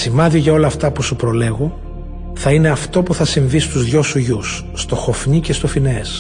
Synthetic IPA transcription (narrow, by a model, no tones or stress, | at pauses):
simɐðioʝɐo̞lɐːft̪ɐpusupɾo̞le̞ɣo̞ | θɐine̞ɐft̪o̞puθɐsiɱvist̪uzðʝo̞suʝusːt̪o̞xo̞fɲice̞st̪o̞fine̞s